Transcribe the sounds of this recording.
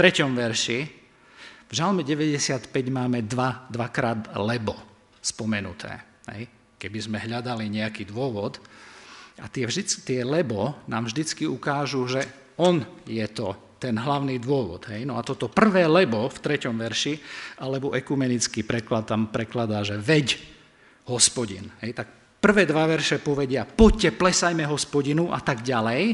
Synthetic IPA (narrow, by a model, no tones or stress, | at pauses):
t̪ɾɛcɔmʋɛɾʃi | vʒalmɛɟɛʋɛɟɛsɪat̪pɛɟmaːmɛd̪ʋad̪ʋakɾaːd̪lɛbɔ | spɔmɛnut̪ʰɛ̰ː | ɦɛ̰j | kɛbizmɛɦʎad̪aliɲɛakiːd̪ʋʊɔʋɔd̪ | ʔa̰t̪ɪɛvʒd̪it͡st̪ɪɛlɛbɔnaːmvʒd̪it͡skiukaːʒuʒɛ | ɔnjɛt̪ɔ | t̪ɛnɦlaʊniːd̪ʋʊɔʋɔ̰d̪ɦɛjnɔat̪ɔt̪ɔpr̩ʋɛːlɛbɔft̪ɾɛcɔmʋɛɾʃiʔalɛbɔʔɛkumɛnit͡skiːpɾɛklat̪ːampɾɛklad̪aːʒɛʋɛɟ | ɦɔspɔɟḭnɦɛjt̪ak̚ | pr̩ʋɛːd̪ʋaʋɛɾʃɛpɔʋɛɟɪapɔcːɛplɛsajmɛɦɔspɔɟinuʔa̰t̪aɡɟalɛj